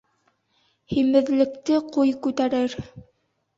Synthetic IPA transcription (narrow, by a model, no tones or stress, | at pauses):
himɘ̆ðlɘ̆kt̪ɘqujkʉt̪æɾɘɾ